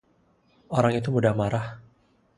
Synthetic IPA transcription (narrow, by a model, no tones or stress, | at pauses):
oɾaŋit̪umudahmaɾah